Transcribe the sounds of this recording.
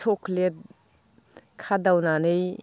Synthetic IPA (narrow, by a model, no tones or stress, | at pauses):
sʰɔkʰlet̚ | kʰadawnanɯj